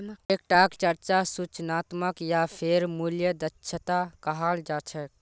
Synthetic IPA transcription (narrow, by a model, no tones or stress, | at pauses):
ek̚ʈakt͡ʃəɾt͡ʃasut͡ʃnat̪məkjapʰeɾmuljəd̪ətːʃʰət̪akəɦald͡ʒat͡ʃʰək